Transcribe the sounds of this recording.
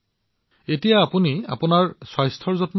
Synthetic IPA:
etijaːpunia̰pʊnaɹswajstʰɔɹzɔtm

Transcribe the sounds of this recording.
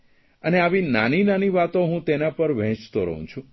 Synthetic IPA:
əneaʋinaninaniʋat̪oɦũt̪enapəɾʋɛ̃t͡ʃt̪oɾə̰ɦṵ̃t͡ʃʰũ

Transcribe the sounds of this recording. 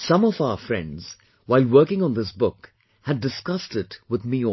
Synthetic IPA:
sʌ̃mʌvaʊə˞fɹɛ̰̃ndz̥ | waɪlˠwɜ˞kɪ̃ŋə̃nðɪsbʊk | hɨdɨskʌstɪtwɨðmiɔ

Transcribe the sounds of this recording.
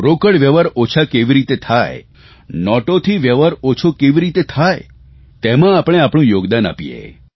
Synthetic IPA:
ɾokəɽʋjeʋəɾot͡ʃʰakeʋiɾit̪et̪ʰaje | nɔʈot̪ʰiʋjəʋəɾot͡ʃʰokeʋiɾit̪et̪ʰaj | t̪emãapɽ̃eapɳ̃ũjoɡd̪ana̰pijḛ

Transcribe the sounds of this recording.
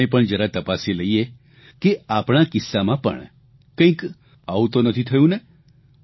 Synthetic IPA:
epəɳd͡ʒəɾat̪əpaseləie | keapɳakɪsːamãpə̰ɳ | kə̃ĩk | aʋũt̪onət̪ʰit̪ʰəjũne

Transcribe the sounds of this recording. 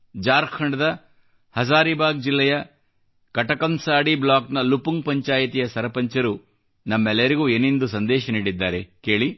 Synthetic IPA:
d͡ʒaːɾkʰɐɳɖɐd̪ɐ | hɐsaːɾibaːɡ̚d͡ʒilːɛjɐ | kɐʈɐkɐmsaːɽiblaːknɐlupuŋɡ̚pɐɲt͡ʃaːjɐt̪ijɐsɐɾɐpɐɲt͡ʃɐɾu | nɐmːɛlːjɐɾiɡuːeːnend̪usɐnd̪ɛːʃɐniːɽid̪ːaːɾe̞ke̞ːɭi

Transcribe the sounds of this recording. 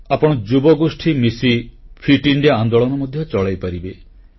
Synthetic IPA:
apɔɽ̃ɔd͡ʒubɔɡosʈʰimisipʰiʈiɳɖiaand̪oɭɔnɔmɔd̪ʱjɔt͡ʃɔɭajpaɾibe

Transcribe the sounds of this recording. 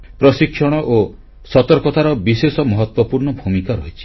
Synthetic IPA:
pɾɔsikʰsɔɽ̃ɔʔo | sɔt̪ɔɾkɔt̪aɾɔbisesɔmɔɦɔt̪wɔpuɾɳɔbʱumikaɾɔɦit͡ʃʰi̥

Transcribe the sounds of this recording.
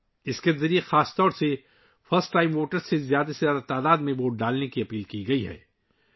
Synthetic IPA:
ɪskezɐɾijexaːst̪ɔːɾse | fʰɐɾsʈːaːɪmʋoːʈəɾsːezjaːd̪asejaːd̪at̪aːd̪aːd̪mẽboːʈ̚ɖaːlnekiɐpiːlkiɡɐiɦɛ̰ː

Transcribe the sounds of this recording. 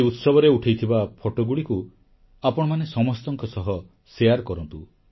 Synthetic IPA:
eut̪sɔbʱɔɾeuʈʰejt̪ʰibapʰoʈoɡuɽiku | apɔɽ̃ɔmanesɔmɔst̪ɔŋkɔsɔɦɔ | sejaɾkɔɾɔnt̪u

